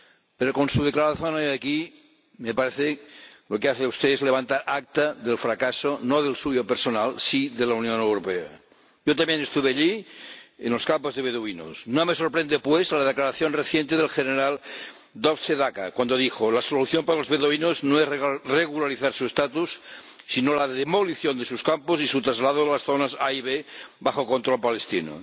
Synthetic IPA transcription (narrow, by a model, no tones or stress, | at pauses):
peɾoko̞nsuð̞eklaɾaθjonojaki | mepaɾeθelokeaθeauwst̪eezleβant̪aɾʔak̚t̪aðelfɾakasonoðelsujopeɾsonalsiðelaunjonewɾopea̰ | ʝot̪amjenest̪uβeaʎi | enlo̞skampozðeβeðuino̰snomeso̞ɾpɾend̪epwezlað̞eklaɾaθjonreθjent̪eðelxeneɾal | d̪okseðakakwand̪oðixolasoluθjompaɾalozβeðoβinoznoereɣulaɾiθaɾsuest̪at̪usː | inolaðemoliθjond̪e̞suskamposisut̪ɾazlaðoðelasθonasajβebaxoko̞nt̪ɾolpalest̪ino̰